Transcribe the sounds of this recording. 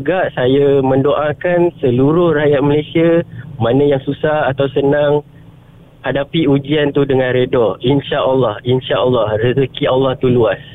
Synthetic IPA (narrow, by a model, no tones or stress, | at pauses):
ɡaʔsajamə̃ndoʔakansəluɾʊhrajat̪̚məlasiamãnə̃jaŋsusahat̪awsənaŋ | hadapiud͡ʒiant̪udəŋãnɾədɔinʃaʔalːɑhinʃaʔəlːɑhrəzəkialːɑht̪uluas